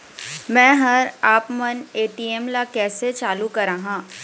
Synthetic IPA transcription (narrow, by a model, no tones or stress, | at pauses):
mɛ̃ːɦɐɾaːpmɐneːʈiːeːmlakɛːset͡ʃaːlukɐɾaːɦãː